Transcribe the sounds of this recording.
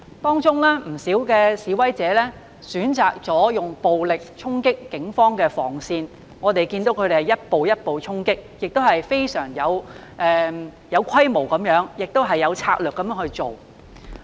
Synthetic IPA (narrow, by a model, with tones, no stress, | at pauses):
t̪ɔː˥ŋt͡ʃʊ˥ŋlaː˥m̩˨˩siː˨˥wkɛː˧siː˨˥wɐ˨˥jt͡sɛː˨˥lɛː˥ | syː˨˥nt͡saː˨˩k̚t͡sɔː˨˥jʊ˨ŋpo˨wlɪ˨k̚t͡ʃʰʊ˥ŋkɪ˥kːɪ˨˥ŋfɔː˥ŋkɛː˧fɔ̰ː˨˩ŋsiː˧n | ŋɔː˨˧t̪e˨jkiː˧nt̪o˨˥wkʰɵ˨˧ɾe˨˩hɐ˨˩jɐ˥t̚po˨wjɐ˥t̚po˨wt͡sʰʊ˥ŋkɪ˥k̚jɪ˨k̚t̪o˥whɐ˨jfe˥jsœː˨˩ŋjɐ˨˧w | ʔɛː˨ | jɐ˨˧wkʷʰɐ˥jmo˨˩wkɐ˨˥mjœː˨˥ŋjɪ˨k̚t̪o˥ɦɐ˨jːɐ˨˧wt͡sʰaː˧k̚lœː˨kːɐ˨˧mjœː˨˥ŋhɵ˧ɥt͡so˨w